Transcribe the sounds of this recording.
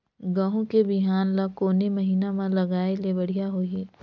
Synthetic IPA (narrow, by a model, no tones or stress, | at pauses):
ɡãːɦõkebɪɦaːnlakoːnemɐɦiːnamãlɐɡaːelebɐɽijaɦoːiː